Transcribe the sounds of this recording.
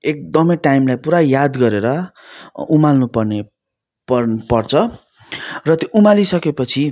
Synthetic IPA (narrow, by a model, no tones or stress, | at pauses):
ek̚d̪ʌmʌʈajmlajpuɾajad̪ɡʌɾeɾʌ | umalnupʌrne | pʌpʌrt͡sʰʌ | rʌt̪joʔumalisʌkepʌt͡sʰi